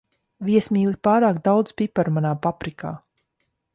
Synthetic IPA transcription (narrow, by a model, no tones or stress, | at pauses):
viɛsmiːlˠipaːɾaːkd̪awd̪z̥pʲipaɾmanaːpapɾika̰ː